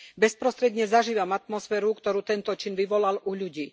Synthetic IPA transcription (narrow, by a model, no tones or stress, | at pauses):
bɛspɾɔst̪ɾɛd̪ɲɛzaʒiːʋamat̪mɔsfɛːɾukt̪ɔɾuːt̪ɛnt̪ɔt͡ʃinʋiʋɔlalʔuʎuɟiː